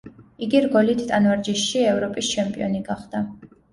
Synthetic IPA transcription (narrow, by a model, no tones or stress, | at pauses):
iɡiɾɡɔlit̪ʰt̪ʼanvaɾd͡ʒiʃːiɛvɾɔpʼist͡ʃʰɛmpʼḭɔniɡaχd̪̥a